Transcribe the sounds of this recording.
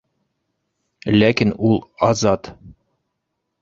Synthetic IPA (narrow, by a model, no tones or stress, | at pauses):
lækinulˠɑzɑt̪